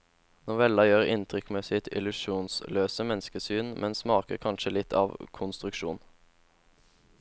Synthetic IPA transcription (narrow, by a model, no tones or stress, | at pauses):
nɔʋɛlɑjøːʁɪnt̪ʰʁʏkmeːsɪt̪ʰɪ̰lʉʃuːnsløːsəmɛnskəsyːnmʔɛnsmɑːkə̰ʁkʰɑnʃəlɪt̪ʰɑ̰ːʋkʰʊnst̪ʁʉkʃuːn